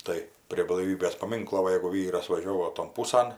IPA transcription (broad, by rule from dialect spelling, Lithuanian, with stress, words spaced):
ˈtɐɪ pʲrʲiɛ blˠɐɪˈʋʲiːbʲeːs pɐˈmʲɪŋklˠoː ˈʋɐ jɛɪɡʊ ˈʋʲiːrɐs ʋɐˈʒʲoːʋoː toːn ˈpuːsɐn